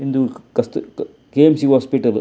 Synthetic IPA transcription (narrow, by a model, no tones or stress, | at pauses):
ind̪ukɐst̪ | keːmsiːɦɔːspiʈɐl